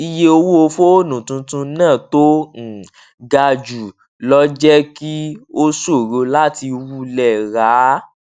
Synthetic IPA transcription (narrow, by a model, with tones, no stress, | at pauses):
i˧je˧o˧wo˦o˧fo˦o˦nũ˨tũ˧tũ˧nãː˦˨to˦ñ̩˨ | ɡa˧d͡ʒu˨ | lɔ˦d͡ʒɛ˦ki˦o˦so˦˨ɾo˧la˦ti˧wu˦˨lɛ˦˨ɾa˨˦